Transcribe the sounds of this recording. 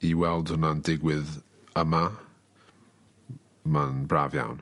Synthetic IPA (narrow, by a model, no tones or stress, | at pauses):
iwɛlˠd̥ʊnandɪɡwɪð | əma | manbraːvja̰wn